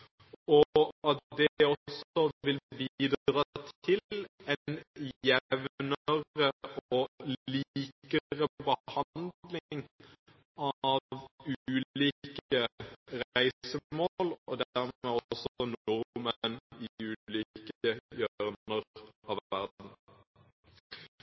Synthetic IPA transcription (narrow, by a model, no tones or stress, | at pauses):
ɔɑt̪d̪ɛɔsɔʋɪlbiːd̪ʁɑːt̪ʰɪlɛnjɛʋnəəʁəɔliːkəʁəbəhɑnnd̪lɪŋ | ɑʋʉːliːkəʁæɪssəmoːlɔd̪ææʁmeːɔsɔnʊʁməniʉːliːkəjœʁnəʁɑʋʋæʁd̪n̩